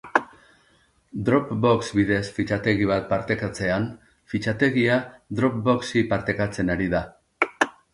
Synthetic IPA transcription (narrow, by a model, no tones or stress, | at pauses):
d̪ɾo̞pbo̞ksβiðe̞sfit͡ʃat̪e̞ɣiβ̞at̪̚paɾt̪e̞kat͡se̞an | fit͡ʃat̪e̞ɣiad̪ɾo̞p̚bo̞ksipaɾt̪e̞kat͡se̞naɾiða